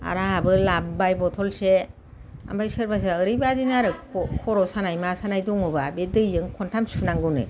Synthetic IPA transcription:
a̰ɾaabɯlabbajbɔtʰɔlse | a̰mbajsɯɾbas̬aɯɾɯbadinaɾɯkʰɔɾɔsanajmasanajduŋɔbabedɯjzɯŋkʰɔntʰamsʰunaŋɡɯnɯ̰

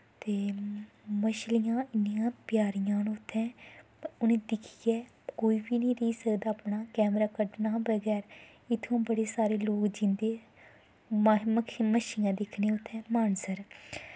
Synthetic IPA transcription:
t̪eː | məʃlɪjãːɪnijãːpjaːɾɪjãːnʊt̪ʰːɛ̃ː | ʊnẽːd̪ɪkʰiɡɛː | koːiːbiːnĩːɾeiːsəkd̪aːpnaːkɛːmɾaːkəɖnaːbəɡɛːɾ | ɪt̪ʰːõːbəɽeːsaːɾeːloːkd͡ʒɪ̃nd̪eː | məkʰməʃlɪjãːd̪ɪkʰneːʊt̪ʰːɛ̃ːmaːnsəɾ

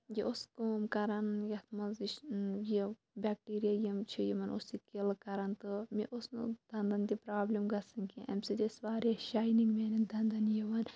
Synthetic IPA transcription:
jiʔoskoːmkɐɾɐnjɐt̪ʰmɐziʃji | bʲaːk̚ʈiːɾijajɐmt͡ʃʰijimɐnosikilkɐɾɐnt̪ɨmḭʔosnɨ̰d̪̥ɐnd̪ɐnt̪ipɾaːblimɡɐsɐnkiʔɐ̰mʲsid̪ʲesʋaːɾeʃaːjniŋɡmenɐnd̪ʱɐnd̪ɐnjiʋɐn

